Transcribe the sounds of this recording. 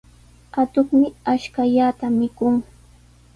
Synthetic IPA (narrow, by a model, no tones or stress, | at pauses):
at̪ʊχmɪaʃkaʎat̪amɪkʊŋ